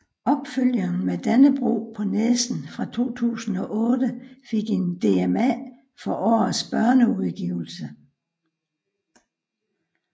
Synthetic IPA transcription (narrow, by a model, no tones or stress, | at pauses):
ɒ̽b̥føl̰jɐn̩med̥ænəb̥ʁṵːpʰɒ̽nesn̩fʁɑ̈t͡sʰo̝̰ːt͡sʰṵːsn̩ɒ̽ʔɔ̽ːd̥əfe̝ɡ̥e̝nd̥e̝emæ | fɒ̽ʔɒ̰ːð̩ˠsb̥ɶɐnəuðˠɡ̥iʊl̩sə